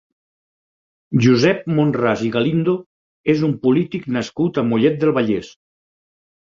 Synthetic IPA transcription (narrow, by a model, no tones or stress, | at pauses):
ʒuzɛp̚monraziɣalind̪o | ezumpulit̪iknaskut̪amuʎɛt̪̚d̪elˠβaʎes